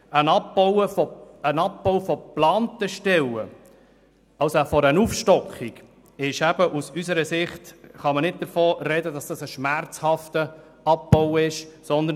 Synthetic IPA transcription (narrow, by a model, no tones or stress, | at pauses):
ənɑp̚bɔwəfɔənɑp̚bɔʊfɔplɑːntəʃtɛwə | ɑwsoæfɔɾənufʃtɔkχiɡ | ɪʃæb̥əʔusysəɾəsɪχt̪χɑmənɪt̚d̥̪əɾfɔːrɛdədɑsd̥ɑsəʃmæɾt͡shɑft̪ə | ɑp̚b̥ɔwɪʃsɔnd̪ə